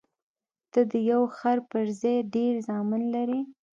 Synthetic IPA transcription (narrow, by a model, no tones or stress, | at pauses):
t̪əd̪əjawxaɾpəɾzajɖeɾzɑmɪnlaɾi